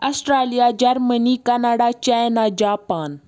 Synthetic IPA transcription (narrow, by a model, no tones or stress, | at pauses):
ɐsʈɾaːlijad͡ʒɐɾmənikɐnaːɽat͡ʃaːjnad͡ʒaːpaːn